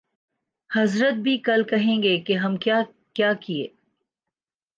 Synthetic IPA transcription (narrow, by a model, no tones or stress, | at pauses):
hɐzɾət̪̚bʱikɐlkɐɦẽːɡekeɦɐmkja | kjaːkiḛː